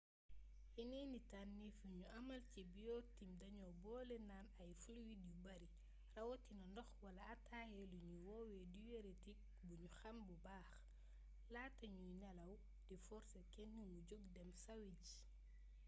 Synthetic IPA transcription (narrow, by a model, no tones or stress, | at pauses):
jinɛnitanːifuɲuʔɐmɐlcibijɔtimdɐɲɔbɔːlɛnaːnɐjfulwidibɐɾi | rɐwɔtːinɐndɔxwɐlɐɐtaːjɛluɲuwɔwɛdiweɾetik̚ | buɲuxɐmbubaːx | laːtːɐɲujnɛlɐw | difɔɾsɐkɛnːumuɟoɡdɛmsɐwiɟ